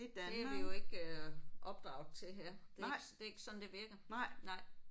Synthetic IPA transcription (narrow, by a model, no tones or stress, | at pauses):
id̥æeæʋijo̝e̝ɡ̥ʔɒ̽b̥̚d̥ʁɑ̰̈ʊ̰ðˠt͡sʰe̝ɦeɐ̰̥sd̥e̝e̝ɡ̥əsɒ̽n̩d̥e̝ʋiɐɡ̥ɐ̰nɑ̈ɪ̰